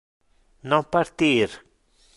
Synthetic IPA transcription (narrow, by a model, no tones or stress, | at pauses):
nõpaɾt̪iɾ